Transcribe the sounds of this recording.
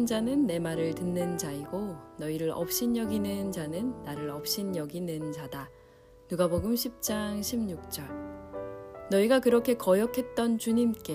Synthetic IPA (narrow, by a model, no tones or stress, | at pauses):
nd͡ʑanɯnːe̞maɾɯɭtɯnːɯnd͡ʑaiɡonʌiɾɯɭʔʌ̰p̚ɕ͈injʌɡinɯnd͡ʑanɯnːaɾɯɭʌp̚ɕ͈injʌɡinɯnd͡ʑada | nuɡaboɡɯmɕʰip̚t͡ɕ͈aŋɕʰimɲuk̚t͡ɕ͈ʌɭ | nʌiɡakɯɾʌkʰe̞kʌjʌkʰe̞t̚t͈ʌnt͡ɕuɲimk͈e̞